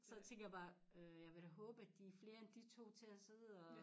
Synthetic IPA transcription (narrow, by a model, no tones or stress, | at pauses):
sɒt͡sʰeŋɡ̥ɐjɑb̥ɑ̈ː | øjɑ̈ʋe̝ɾæɦɔ̽ːb̥əæd̥ifle̝ːɐend̥it͡sʰo̝̰ːt͡sʰe̝æse̝ð̰ˠɒ̽